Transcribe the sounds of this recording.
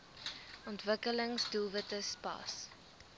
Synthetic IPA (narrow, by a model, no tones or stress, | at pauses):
ɔntvəkələŋsdulˠvətəspɑ̰s